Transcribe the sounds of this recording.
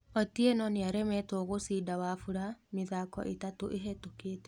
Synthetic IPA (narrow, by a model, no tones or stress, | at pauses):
ɔtienɔneaɾɛmɛtoɣosiːdawafuɾameðaːkɔ̰ʔetatoʔeɦɛtokeːtɛ̥